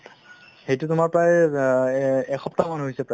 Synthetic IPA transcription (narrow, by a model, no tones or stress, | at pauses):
xejtutʊmaɹpɹaj | ɛxʰɔp̚tamanɦojsɛpɹaj